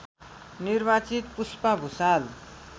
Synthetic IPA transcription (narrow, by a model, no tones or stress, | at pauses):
nirbat͡sit̪̚puspabʱusal